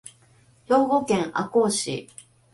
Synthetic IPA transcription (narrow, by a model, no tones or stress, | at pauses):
joːɡokẽŋa̰koːɕḭ